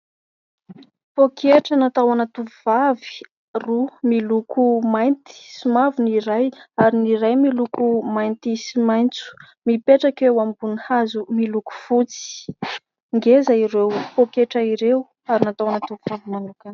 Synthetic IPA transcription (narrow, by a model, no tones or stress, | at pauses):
pokʰeʈ͡ʂənat̪awanat̪uvuv̥avi̥ | rumilukʰumajnt̪i̥simaviniɾajaɾiniɾajmilukumajnt̪isimajnt͡su̥ | mipeʈ͡ʂakewambunihazumiluku̥fut͡si̥i̥ | ŋɡezaiɾewpokeʈ͡ʂaiɾew | aɾinat̪awanat̪uvuv̥avimanukan